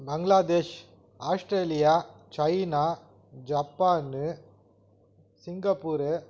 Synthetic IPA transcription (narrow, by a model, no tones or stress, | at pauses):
bɐŋɡlaːd̪eːʃ | aːsʈɾeːlɪjaːt͡ʃɐɪnaː | d͡ʒapːaːnɯ | sɪŋɡɐpːuːɾɯ